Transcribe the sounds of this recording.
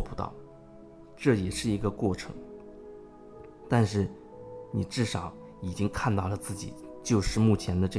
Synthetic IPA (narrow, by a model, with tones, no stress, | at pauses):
pu˧˥t̪ɑ̰˥˩ʊ | ʈ͡ʂɤ˥˩jɛ˨˩ʂɻ̩˥˩i˧˥ɡə˧kwɔ˥˩ʈ͡ʂʰɤ̰˧˥ŋ | t̪a˥˧nʂɻ̩˥˩ | ni˨˩ʈ͡ʂɻ̩˥˩ʂɑ˨˩˦ʊ | i˨˩t͡ɕi˥ŋkʰa˥˧nt̪ɑ˥˩ʊlə˩t͡sɹ̩˥˩t͡ɕḭ˨˩˦t͡ɕjo˥˧ʊʂɻ̩˥˧mu˥˩t͡ɕʰjɛ˧˥nd̪ə˧ʈ͡ʂɤ˥˩